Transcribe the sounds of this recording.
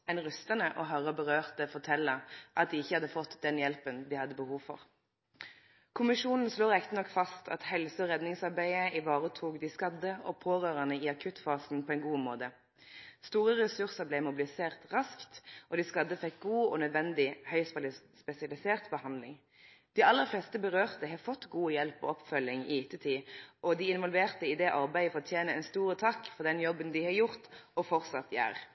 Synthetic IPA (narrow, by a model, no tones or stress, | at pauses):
ɛnʁœst̪ənəʔɔɦɑʁəbəʁøːʁt̪əfɔʁt̪ʰɛlːəʔɑt̪̚d̪ɪːɪçːəhɑd̪ːəfɔt̪ːd̪ɛnjɛlpənd̪ɪhɑd̪ːəbəhuːʋfɔ̰ʁ | kʰʊmɪʃuːnn̩sloːʁɛkt̪nɔkːfɑst̪ʰɑ̰t̪hɛlsəɔʁɛd̪nɪŋsɑʁbæɪəɪʋɑːʁət̪ʰuːɡd̪ɪskɑd̪əɔpʰoːʁøːʁənəɪːɑkʰʉt̪fɑːsn̩pʰɔɛɪnɡuːmoːd̪ə | st̪uːʁəʁɛsʉʁsəʁblɛmʊbɪlɪseːʁt̪ʁɑskt̪ʔɔd̪ɪskɑd̪əfɛk̚ɡuːɔ̰nœd̪ʋɛnd̪ɪhœʏsplspɛsɪɑlɪseːʁt̪bəhɑnd̪lɪŋ | d̪̥ɪɑlːəʁflɛst̪əbəɾøːʁt̪əhɑfɔt̪ːɡuːəjɛlpɔ̰ɔpfœlːɪŋɪt̪ət̪ʰiːʔɔd̪ɪɪnʋɔlʋeːʁt̪əɪd̪ɛʔɑʁbæɪfɔʁɔt̪ʰjeːnəɛnst̪uːɾət̪ʰɑkːfɔʁd̪ɛnjɔbənd̪ɪhɑjʊʁt̪ɔfɔʁt̪sɑt̪ːjæ̰ːɾ